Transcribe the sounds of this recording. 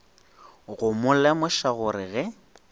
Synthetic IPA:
ɣʊmʊlɛmʊʃaɣʊɾɪɣɛ

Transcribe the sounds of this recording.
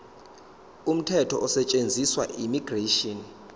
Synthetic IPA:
um̩tʰɛtʰɔʔɔsɛt͡ʃʼend͡zʱiswaʔimiɡreʃɔn

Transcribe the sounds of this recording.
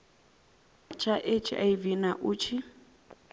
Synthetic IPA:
t͡ʃʰaʔet͡ʃʰiʔa̰ivinaʔut͡ʃʰi

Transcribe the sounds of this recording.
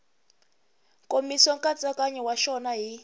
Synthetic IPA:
kʼomisɔŋkʼat͡sʼakʼaɲɛwaʃɔnaɦi

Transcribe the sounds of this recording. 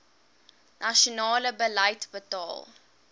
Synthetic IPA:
nʔaʃonɑːləbəlɐjtbətɑ̰ːl

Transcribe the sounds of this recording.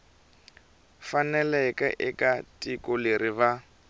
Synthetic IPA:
fanɛlɛkʼɛ̰ʔɪkatʼikʼɔleɾiβa

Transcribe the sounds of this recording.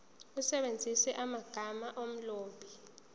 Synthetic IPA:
usɛɓend͡zʱisɛʔamaɡ̥ʱamaʔom̩loːbʱi

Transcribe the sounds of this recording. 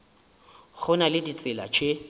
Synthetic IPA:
k͡xʰʊnalɪdit͡sʼɪla̰t͡ʃʰʼe

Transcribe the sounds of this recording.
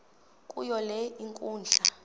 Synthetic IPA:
kʼujɔlɛiŋkʼuːnd͡ɮʱa

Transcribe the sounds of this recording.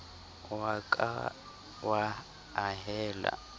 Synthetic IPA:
wakʼa | wa | aɦɛːla̰

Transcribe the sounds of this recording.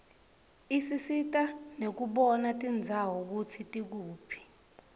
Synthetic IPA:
isisitʼanek̬uɓɔnatʼind͡zʱawɔk̬ut͡sʰitʼik̬uːpʰi̥

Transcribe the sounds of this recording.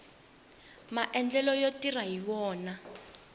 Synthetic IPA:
maʔɛnd͡ɮɛlɔjotiraɦiwɔːna

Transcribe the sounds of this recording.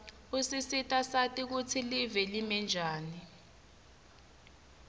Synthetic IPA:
usisitʼasatʼik̬ut͡sʰilivɛlimɛnd͡ʒʱaːni

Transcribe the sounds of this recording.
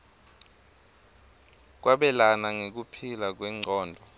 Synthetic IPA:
k̬waɓɛlanaŋek̬upʰilak̬wɛŋ͡ǀɔːndʱɔ

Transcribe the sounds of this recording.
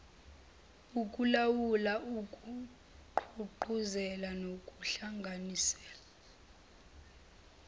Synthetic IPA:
ukʼulawulaʔukʼu | ǃʰuǃuzɛlanokʼuɬaŋɡʱanisɛ̥ːla

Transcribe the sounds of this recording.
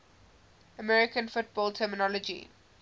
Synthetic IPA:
əmɛɹɪkə̃nfʊt̚b̥ɔːltʰɛːmɪnɔlɔd͡ʒḭ

